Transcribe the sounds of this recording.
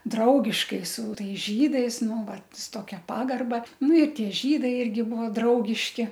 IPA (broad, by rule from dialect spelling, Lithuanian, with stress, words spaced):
ˈdrɐʊɡʲɪʃkɐɪ sʊ ˈtɐɪs ˈʒʲiːdɐɪs ˈnʊ ˈʋɐt sʊ ˈtoːkʲɛ ˈpɑːɡɐrbɐ ˈnʊ ɪ ˈtʲiɛ ˈʒʲiːdɐɪ ˈɪrʲɡʲɪ ˈbʊʋoː ˈdrɐʊɡʲɪʃʲkʲɪ